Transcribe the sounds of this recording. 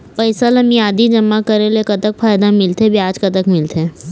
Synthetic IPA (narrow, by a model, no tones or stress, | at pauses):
pɐɪsalɐmijaːd̪id͡ʒɐmːakɐɾelekɐt̪əkfʰaːjd̪amɪlt̪ebjaːd͡ʒkɐt̪əkmɪlt̪ʰeː